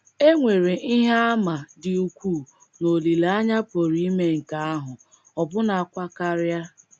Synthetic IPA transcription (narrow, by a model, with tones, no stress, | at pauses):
e˦ŋʷe˨ɾe˨ʔi˦ɦa˦a˦ma˨dɪ˨u˨kʷuː˦˨ | no˨li˨la˦ɲa˦po˨ɾi˦i˦me˦ŋ̩˨ka˨a˦ɦʊ˨ | ɔ˨bʊ˦na˨a˨kʷa˦ka˦ɾa˦